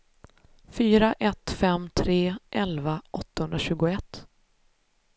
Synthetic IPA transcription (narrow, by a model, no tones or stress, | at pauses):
fyːɾaʔɛt̪fɛmt̪ʰɾeːʔɛlvaʔɔt̪ːahɵnd̪ɾaɕʉ̟ːɡʊɛt̪ː